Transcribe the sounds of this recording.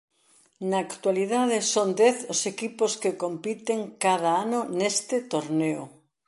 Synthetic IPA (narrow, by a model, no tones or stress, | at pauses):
naːkt̪waliðaðesond̪ɛθʊsekiposkekompit̪eŋkað̞aanonest̪et̪oɾneo